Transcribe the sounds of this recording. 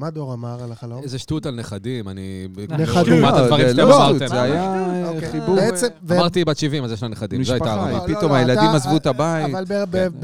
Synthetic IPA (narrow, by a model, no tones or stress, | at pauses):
mad̪oʁamaʁalaaloezeʃt̪ut̪alneχad̪imanineaʃimat̪advaʁiʃleamaʁt̪emeajaaχibuesevmaʁt̪ibat͡ʃivimalzjɛʃlaneχad̪imzoajtaːʁavapit̪omajelad̪imazvut̪abaitalebe